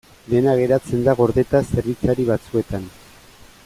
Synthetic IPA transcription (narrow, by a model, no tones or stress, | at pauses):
d̪e̞naɣ̞e̞ɾat͡se̞nd̪aɣo̞ɾðe̞t̪ase̞ɾβit͡saɾiβat͡sue̞t̪an